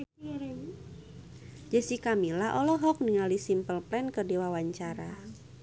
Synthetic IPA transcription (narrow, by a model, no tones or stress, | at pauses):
d͡ʒəsikamilaʔɔlɔɦɔk̚niŋalisimpəlplɛnkədiwawaɲt͡ʃaɾa